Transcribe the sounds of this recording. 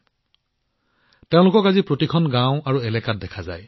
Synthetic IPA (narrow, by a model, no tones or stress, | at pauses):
tẽʊ̃lʊkɔkazipɹotikʰɔnɡãʊ̃aɹuɛlɛkat̚dɛkʰaza̰j